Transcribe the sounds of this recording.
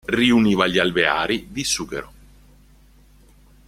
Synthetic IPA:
riuniːvaʎalbea̰ːɾid̪isuːkḛɾo

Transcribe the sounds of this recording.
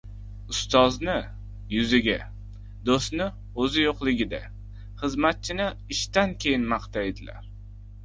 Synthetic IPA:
ʊst̪ɒznɪ | jʊzɪɡʲa | d̪ost̪nɪ | ɵzɪjoqlˠɪɡʲɪd̪a | χɨzmat̪̚t͡ʃʰɪnɪɪʃt̪ankʲʰe̞jɪnmɑqt̪ʰajd̪ɪla̰ɾ

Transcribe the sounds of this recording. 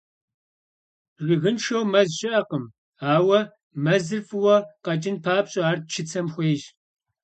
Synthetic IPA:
rɪɣɨnʂɐwmɐzʃɪʔɐqəm | aːwɐ | mɐzɨrfɨwɐqɐt͡ʃʼɪnpʰaːpɕʼɐaːrt̚t͡ʃʰɪt͡sʰɐmxʷeːʒ

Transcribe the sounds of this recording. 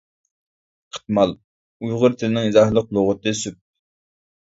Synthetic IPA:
qʰə̥t̪̚mɑlˠ | ujʁʊɾt̪ʰɪlɪnɪŋizɑhlˠəq̚lˠoʁʊt̪ɨsyp̚

